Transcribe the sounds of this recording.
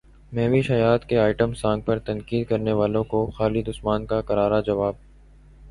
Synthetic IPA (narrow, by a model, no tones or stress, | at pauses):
mɛːʋiʃɐjaːt̪keaːɪʈəmsãːŋɡ̚pɐɾt̪ɐ̃nkiːd̪̚kɐɾneʋaːlõkoxaːlid̪ʊsmaːnkakɐɾaːɾad͡ʒɐʋaːb̚